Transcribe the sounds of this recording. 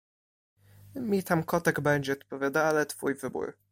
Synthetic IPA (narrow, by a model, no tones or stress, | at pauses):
mʲit̪amkɔt̪ɛɡbɛɲd͡ʑɛɔt̪̚pɔvʲjad̪alɛt̪fujvɘbṵɾ